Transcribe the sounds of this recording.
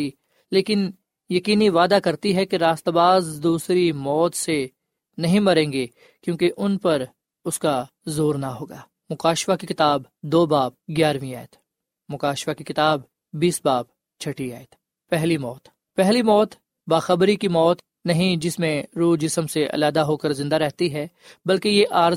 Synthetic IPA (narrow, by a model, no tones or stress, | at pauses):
i | leːkɪn | jɐkiːniʋaːd̪akɐɾt̪iɦɛkeɾaːst̪baːzd̪uːsɾimɔːt̪se | nɐɦĩmɐɾẽːŋɡe | kjõːkeʔʊnpɐɾ | ʊska | zoːɾnaɦoːɡaː | mʊkaːʃfakikɪt̪aːb | d̪oːbaːp̚ɡjaːɾʋĩa̰ːet̪ʰ | mʊkaːʃfakikɪt̪aːbː | iːsbaːp | t͡ʃʰɐʈia̰ːet̪ʰ | pɛɦlimɔːt̪ | pɛɦlimɔːt̪ | baːxɐbɾikimɔːt̪ | nɐɦĩd͡ʒɪsmẽɾuːd͡ʒɪsəmseʔɐ̰laːd̪aɦoːkəɾzɪ̃nd̪aɾɛɦt̪iɦɛː | bɐlkejeʔaːɾ